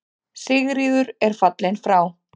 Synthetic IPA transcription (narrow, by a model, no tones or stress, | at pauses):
sɪɣɾiːðʏɾɛɾ̥fat̪lɪnfɾaːw